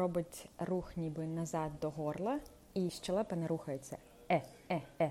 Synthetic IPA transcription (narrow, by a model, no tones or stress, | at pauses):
ɔbɪtʲruxnʲibɪnɐzɑd̪̚d̪ɔɦɔrlˠɐ | iʃt͡ʃɛlˠɛpɐnɛɾuxɐjet͡sʲːɐ̰ | ɛ | ɛɛ